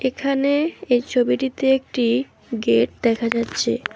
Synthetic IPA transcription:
ekʰaneejt͡ɕʰobiʈit̪eek̚ʈi | ɡeʈ̚d̪ɛkʰad͡ʑatːɕʰḛ

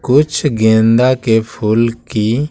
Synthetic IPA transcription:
kʊt͡ʃʰɡẽːnd̪akepʰulki

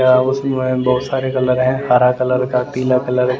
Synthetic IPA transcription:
aʊsẽbɔːt̪saːɾekɐləɾɦɛ̃haːɾakɐləɾkat̪iːlakɐləɾ

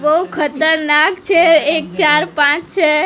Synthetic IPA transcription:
bəɦukʰət̪əɾnakt͡ʃʰeek̚t͡ʃaɾpãt͡ʃt͡ʃʰe

